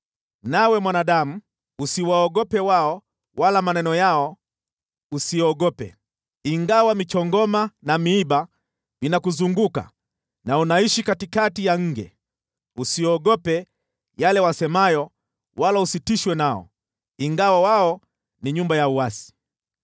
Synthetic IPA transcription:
nawɛmwanaɗamu | usiwaɔɠɔpɛwaɔ | walamanɛnɔjaɔ | usiɔɠɔpɛ̰ | iŋɡawamit͡ʃɔŋɡɔmanamiiɓa | vinakuzuŋɡuka̰ | naunaiʃikatikatijaŋ̩ɡɛ̰ | usiɔɠɔpɛ | jalɛwasɛmajɔ | walausitiʃwɛnaɔ̰ | iŋɡawawaɔ | niɲumbajauwasi̥

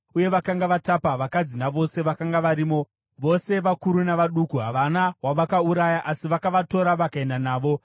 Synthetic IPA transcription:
uje̞ʋakaŋɡaʋatapaʋakad͡zinaʋo̞se̞ʋakaŋɡaʋaɾiːmo̞ | ʋo̞se̞ʋakuɾunaʋaɗukuɦaʋanawaʋakauɾajaʔasiʋakaʋato̞ɾaʋakae̞ndanaːʋo̞

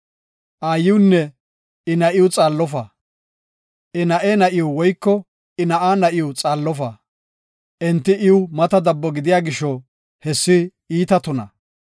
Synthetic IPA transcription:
ʔaːjːɪwʊnːɛ | ɪnɐʔɪjʊt͡sʼaːlːɔfɐ | ʔɪnɐʔeːnɐʔɪjʊwɔjkːɔ | ɪnɐʔaːnɐʔɪjʊt͡sʼaːlːɔfɐ | ʔɛnt̪ːɪʔɪʊmɐt̪ɐd̪ɐbːɔɡɪd̪ɪjaːɡɪʃɔ | hɛsːɪ | iːt̪ɐt̪ɔnɐ̰

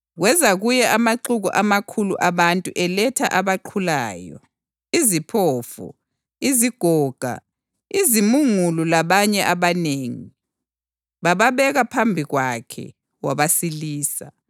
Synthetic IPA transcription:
ɣwɛzaɣujɛʔamaǃuɣuʔamakʰuluʔaβantʼuʔɛlɛtʰa̰ʔaβaǃʰulaːjɔ̰ | izipʰɔːfṵ | iziɡ̥ʱɔːɡ̥ʱa̰ | izimuŋulɔlaβaɲɛʔaβaneːŋi | βaβaβɛɣapʰambʱiɣwakʰɛ̰ | waβasiliːsa

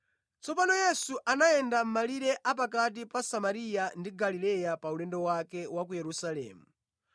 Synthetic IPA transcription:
t͡sɔpanɔjɛsuʔanaɛndam̩maliɾɛʔap̬akat̬ipasamaɾijandiɡalilɛjapaulɛndɔwakɛwak̬ujɛɾusalɛ̰ːmu

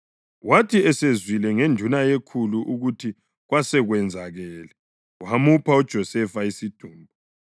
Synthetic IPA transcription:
watʰiɛsezwilɛŋendʱunajekʰuluʔuɣutʰi | ɣwasɛɣwɛnd͡zʱaɣɛːlɛ | wamupʰaɔd̥ʒ̥ʱɔsɛfaisid̥ʱuːmbʱɔ

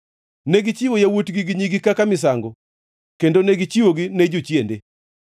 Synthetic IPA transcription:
neɡit͡ʃiwojawotɡiɡiɲiɡikakamɪsaŋɡo | kendoneɡit͡ʃiwoɡined͡ʒut͡ʃjende

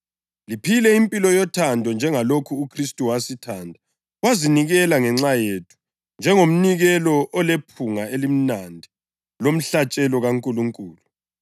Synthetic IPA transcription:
lipʰilɛimpʼilɔjɔtʰandʱɔnd͡ʒʱɛŋalokʰuːkʰristʼuwasitʰandʱa | waziniɣɛlaŋɛŋ͡ǁajetʰu̥ | nd͡ʒʱɛŋom̩niɣɛlɔʔːlepʰuŋaelim̩nandʱi | lom̩ɬat͡ʃʼɛlɔɣaŋkʼuluŋkʼuːlu

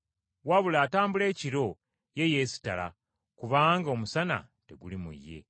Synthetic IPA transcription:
waβulaːtaːmbule̞ːciɾo̞ | je̞je̞si̥tala̰ | kuβaːŋɡaomusana̰ | te̞ɡulimṵjːe̞̰

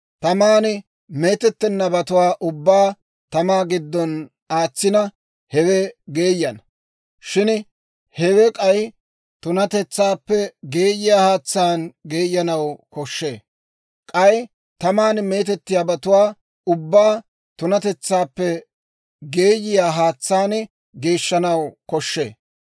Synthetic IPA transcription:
t̪ɐmaːnɪ | me̞ːt̪ɛt̪ːɛnːɐbɐt̪ʊwaːʔʊbːaː | t̪ɐmaːɡɪd̪ːɔn | aːt͡sːɪnɐ | hɛwɛɡe̞ːjːɐn | ʃɪn | hɛwɛkʼɐj | t̪ʊnɐt̪ɛt͡sːaːpːɛɡe̞ːjɪjaːhaːt͡sːaːnɡe̞ːjːɐnɐwkɔʃːe̞̰ː | kʼɐj | t̪ɐmaːnme̞ːt̪̬ɛt̪ːɪjaːbɐt̪ʊwaː | ʊbːaː | t̪ʊnɐt̪ɛt͡sːaːpːɛ | ɡe̞ːjɪjaːɦaːt͡sːaːn | ɡe̞ːʃːɐnɐwkɔʃːḛː

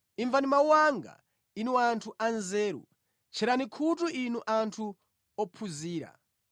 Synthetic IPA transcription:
iɱvanimawwaŋɡa̰ | inuantʰuʔanzɛːɾṵ | t͡ʃʰɛɾanikʰutuʔinuʔantʰu | ɔpʰuziːɾa̰

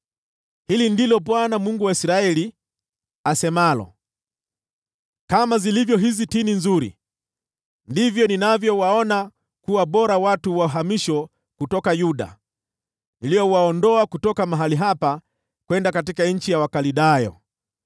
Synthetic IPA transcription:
hilindilɔpwanamuŋɡuwaisɾaɛli | asɛmalɔ̰ | kamazilivjɔɦizitininzuɾḭ | ndivjɔninavjɔwaɔna | kuwaɓɔɾawatuwauɦamiʃɔ | kutɔkajuɗa̰ | nilijɔwaɔndɔakutɔkamaɦaliɦapa | kwɛndakatikaɲ̩t͡ʃijawakaliɗajɔ̰

